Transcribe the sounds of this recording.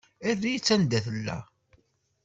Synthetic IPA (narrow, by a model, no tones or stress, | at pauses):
ærːijt͡sːænd̪æθəlːæ̰